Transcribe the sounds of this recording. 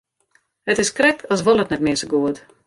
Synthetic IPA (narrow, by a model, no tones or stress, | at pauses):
ət̪iskɾɛkasvɔlˠət̪nɛtmiəsəɡuəd̪